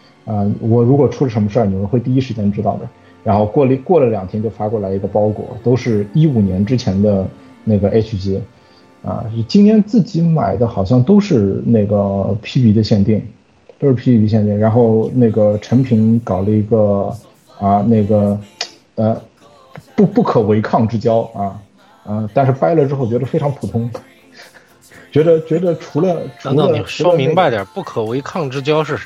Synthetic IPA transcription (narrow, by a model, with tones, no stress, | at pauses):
ə˧wɔ˨˩ɻu˧˥kwɔ˨˩ʈ͡ʂʰu˥lə˩ʂ̬ə˧˥nmə˧ʂə˥˩ni˨˩˧xwt̪i˥˧i˥ʂɻ̩˧˥t͡ɕjɛ˥nʈ͡ʂɻ̩˥t̪ɑ˥˩ʊd̪ə˩ | ɻa˧˥nxo˥˧ʊkwɔ˥˩lkwɔ˥˩lə˩ljɑ˨˩ŋt̪ʰjɛ˥nt͡ɕjo˥˩ʊfa˥kwɔ˥˩la˧˥ɪi˧˥ɡə˧pɑ˥ʊkwɔ̰˨˩˦t̪o˥ʊʂɻ̩˥˧i˥u˨˩njɛ˧˥nʈ͡ʂɻ̩˥t͡ɕʰjɛ˧˥nd̪ə˧ | ne˥˩ɡə˩ʔe˥ɪt͡ɕʰu˧˥˩t͡ɕi˧˥ | ə̰˧˩t͡ɕi˥nt̪ʰjɛ˥nt͡sɹ̩˥˩t͡ɕi˧˥ma̰˨˩ɪd̪ə˦xɑ˨˩ʊɕ̬jɑ˥˧ŋt̪o˥ʊʂɻ̩˥˧ne˥˩ɪɡə˩pʰi˥pi˧˥d̪ə˧ɕjɛ˥˧nt̪i˥˩ŋ | t̪o˥ʊʂɻ̩˥˩pʰi˥i˧˥i˧˥ɕjɛ˥˧nt̪i˥˩ŋɻa˧˥nxo˥˧ʊne˥˩ɪɡə˩ʈ͡ʂʰə˧˥ŋpʰi˧˥nkɑ˨˩ʊlə˦i˧˥ɡə˧ | a˧ne˥˩ɪɡə˩ | ə˧ | pu˥˩pu˥˩kʰɤ˨˩we˧˥ɪkʰɑ˥˩ŋʈ͡ʂɻ̩˥t͡ɕjɑ˥ʊɐ˥˧ | ə˧t̪a˥˧nʂɻ̩˥˧pa˥ɪlə˨ʈ͡ʂɻ̩˥xo˥˩ʊt͡ɕɥɛ˧˥d̪ə˧fe˥ɪʈ͡ʂʰŋpʰu˨˩t̪ʰʊ˧˥ŋ | t͡ɕɥɛ˧˥d̪ə˧t͡ɕɥɛ˧˥d̪ə˧ʈ͡ʂʰu˧˥lə˧ʈ͡ʂʰu˧˥lə˧˨ɛ˧˥˧mi˧˥ba˧ɪt̪jɐ˨˩pu˥˩kʰə˨˩we˧˥ɪkʰɑ˥˩ŋʈ͡ʂɻ̩˥t͡ɕjɑ˥ʊʂɻ̩˥˩